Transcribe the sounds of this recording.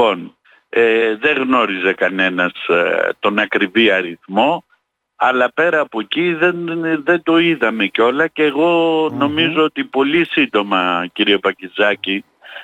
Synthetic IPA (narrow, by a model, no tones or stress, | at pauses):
o̞n | eðe̞ɣno̞ɾize̞kɐne̞nɐst̪o̞nɐkɾiviɐɾiθmo̞ | ɐlɐpe̞ɾɐːpo̞ciðenðe̞nd̪o̞iðɐme̞co̞lɐceːɣo̞no̞mizoot̪ipo̞lisind̪o̞mɐciɾiepɐcizɐci